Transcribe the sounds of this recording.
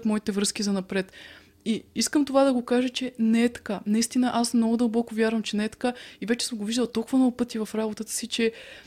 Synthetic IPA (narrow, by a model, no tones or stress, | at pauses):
t̪mɔit̪ɛvɾɤsk̟izɐnɐpɾɛt̪ | iiskəmt̪ovad̪ɐɡokaʒət͡ʃɛnɛɛt̪ɐ̥kanɐist̪inəʔasmnɔɡʊd̪əlˠbɔkʊvjaɾvəmt͡ʃɛnɛɛt̪ɐ̥kaivɛt͡ʃɛ̥səmɡoviʒd̪əlˠt̪ɔlˠkʊvənɔɡʊpɤt̪ivɐfɾabot̪ət̪ə̥sit͡ʃɛ